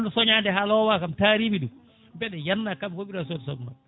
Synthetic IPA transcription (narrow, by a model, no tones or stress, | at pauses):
ndɔsɔɲandɛɦalɔwakamtaɾiːbiɗu | bɛɗɛjanːakabkobiɾasɔdsɔbma̰